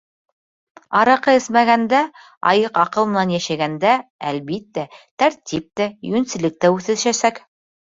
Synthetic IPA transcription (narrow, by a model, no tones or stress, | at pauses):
ɑɾɑqɤɘ̆smæɣænd̪æ | ɑ̰jɤqɑqɤ̆lˠmɤ̆nænjæʃæɡænd̪æælβit̪ːæt̪æɾt̪ʲip̚t̪æjɵnsɘ̆lɘ̆k̚t̪æʉθɘ̆ʃæsæk